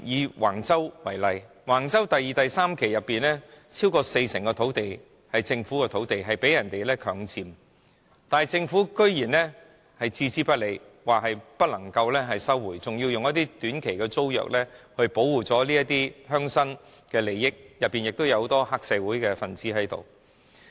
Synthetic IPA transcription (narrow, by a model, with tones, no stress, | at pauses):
jiː˨˧wa̰ː˨˩ŋt͡sɐ˥wwɐ˨˩jlɐ˨j | waː˨˩ŋt͡sɐ˥wt̪ɐ˨jːiː˨t̪ɐ˨jsaː˥mkʰe˨˩jːɐ˨pːiː˨nɛː˥t͡sʰiː˥wkɔː˧se˧jsɪ˨˩ŋkɔː˧t̪ʰo˨˥wt̪e˨j | hɐ˨jt͡sɪ˧ŋfuː˨˥kɛː˧t̪ʰo˨˥wt̪e˨jɦɐ˨jpe˨˥jɐ˨˩nt̪e˨jlɛː˥kʰœː˨˥ŋt͡siː˨˧m | t̪aː˨n˨jt͡sɪ˧ŋfuː˨˥kɵ˥ɥjiː˨˩nlɛ˥ | hɐ˨jt͡siː˧t͡siː˥pɐ˥le˨˧j | waː˨k̚hɐ˨jpɐ˥t̚lɐ˨˩ŋkɐ˧wlɛː˥ɦɐ˨jsɐ˥wːuː˨˩jt͡sʊ˨ŋjiː˧wjʊ˨ŋjɐ˥t̪̬iː˥t̪yː˨˥nkʰe˨˩jkɛː˧t͡so˥wjœ̰ː˨k̚lɛ˥hɵ˧ɥpo˨˥wːuː˨t͡sɔː˨˥liː˥jɐ˥t̪iː˥hœː˥ŋsɐ˥n | kɛː˧le˨˩jːɪ˥k̚jɐ˨pːi˨njɪ˨k̚t̪o˥wjɐ˧who˨˥wt̪ɔː˥haː˧˥k̚sɛː˨˧wuː˨˥jkɛː˧fɐ˨˩nt͡siː˨˥hɐ˨˥jt̪o̰˨˩w